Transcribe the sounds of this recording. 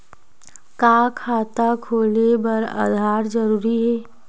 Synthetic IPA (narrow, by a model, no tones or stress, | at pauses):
kaːkʰaːt̪akʰoːlebɐɾa̰d̪ʱaːɾd͡ʒəɾuːɾiɦɛː